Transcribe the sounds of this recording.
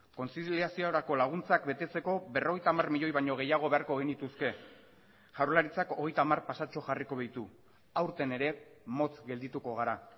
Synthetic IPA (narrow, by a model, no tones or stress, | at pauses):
ko̞nt͡siliasiooɾako̞laɣ̞unt͡sakbe̞t̪e̞t͡se̞ko̞be̞ro̞ɣe̞jt̪amarmiʎo̞jβaɲo̞ɣ̞e̞jaɣ̞o̞βe̞aɾkoɣ̞init̪uske̞ | ʝawɾlaɾit͡sako̞ɣe̞jt̪aːmaɾpasat͡ʃo̞ʝariko̞β̞ajt̪u | awɾt̪e̞ne̞ɾe̞mo̞t͡sɡe̞ld̪it̪uko̞ɣ̞aɾa